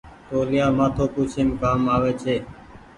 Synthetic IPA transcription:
t̪oːlɪjaːmaːt̪ʰoːpuːt͡ʃʰeːmkaːmaːʋeːt͡ʃʰeː

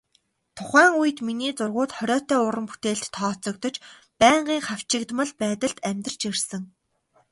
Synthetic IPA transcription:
t̪ʰʊχæːŋujɘ̆t̪miniːt͡sʊrʁʊːt̪χɔɾʲɔːt̪œːʊɾə̆mpu̥t̪eːɬt̪ʰːɔːt͡sɞ̆kt̪ɞ̆t͡ɕ | pæːɴɢiːŋχaw̥t͡ɕɪ̆kt̪mə̆ɮpæːt̪ə̆ɮt̪æmʲt̪̆r̥ə̥t͡ɕirsɘ̆ŋ

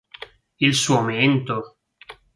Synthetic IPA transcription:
ilsuoment̪o

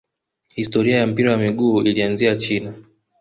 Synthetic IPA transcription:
histɔɾiajam̩piɾawamiɠuːilianziat͡ʃina

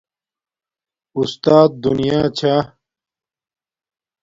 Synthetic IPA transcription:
ust̪aːt̪̚d̪unijaːt͡ɕʰa

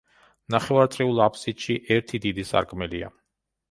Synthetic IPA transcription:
naχɛvaɾt̪sʼɾiulˠapʰsit̪ʃiʔɛɾt̪ʰid̪id̪isa̰ɾkʼmɛlia̰

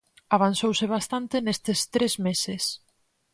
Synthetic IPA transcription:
aβ̞ansowsɪβ̞ast̪ant̪ɪnest̪est̪ɾezmesɪs

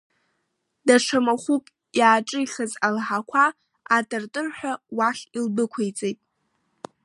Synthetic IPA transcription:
daʂʰamaχʷukʼ | jaːʈ͡ʂʼɨiχazalħakʷʰaː | tʼɨrtʼɨrħʷᶣawaχʲilbɨkʷʰejt͡sʼejtʼ

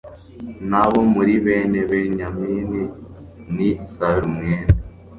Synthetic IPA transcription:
naβomuɾiβeːneβeɲamiːni | nisaɾumŋeːna

